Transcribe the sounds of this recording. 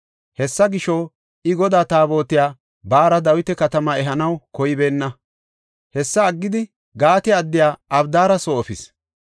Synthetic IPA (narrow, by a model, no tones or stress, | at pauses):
hɛsːɐɡɪʃo | ɪɡɔd̪aːt̪aːbo̞ːt̪ːɪjaː | baːɾɐd̪ɐwɪt̪ɛkɐt̪ɐmɐɛɦɐnɐwkɔjɪbe̞ːnːɐ | hɛsːɐːɡːɪd̪ɪ | ɡaːt̪ɛɐd̪ːɪjaːɐbd̪aːɾɐsoːfɪs